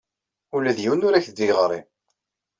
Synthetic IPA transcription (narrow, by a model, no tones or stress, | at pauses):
ulæðjiwnʊɾæçd̪ːiʁəɾˤḭm